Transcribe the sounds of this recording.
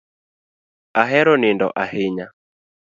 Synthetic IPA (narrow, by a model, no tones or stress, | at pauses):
aɦɛɾɔnɪndɔ̰ʔahɪɲa